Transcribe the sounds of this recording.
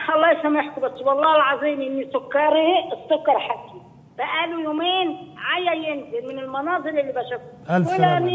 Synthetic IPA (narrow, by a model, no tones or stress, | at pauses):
xɑlˤːɑːsamɪħkubasːbɑlˤːɑːɪlʕɑzˤiːmʔɪnːisʊkːɑɾˤiɪsːʊkːɑɾˤħakːi | baʔæːlujuːmeːnʕajajɪnzɪlmɪnɪlmɑnɑːzˤɨlʔɪlːibaʃafwɪlːani